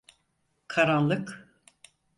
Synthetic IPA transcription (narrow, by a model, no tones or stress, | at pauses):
kʰaɾanlˠɯk